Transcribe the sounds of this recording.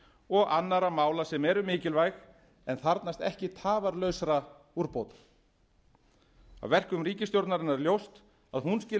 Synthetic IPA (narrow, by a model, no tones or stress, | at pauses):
ɔɣanːaɾamaːwlasɛmɛɾʏmɪːcɪlvajx | ɛnθaɾt̪nast̪ɛhcɪt̪ʰaːvaɾlœɥsaɾa | uɾpowt̪ḁ | a̰wvɛr̥kʏmriːcɪst̪jowɾt̪naɾɪnːaɾljowst̪ | aðhunscɪː